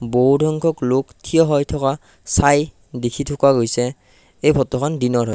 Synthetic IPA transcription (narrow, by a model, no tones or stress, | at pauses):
boɦudʱɔŋkʰɔkloktʰijɔɦɔjtʰɔka | saj | dekʰitʰokwaɡojsɛ | ejbʱɔtɔkʰɔndinɔɹɦɔj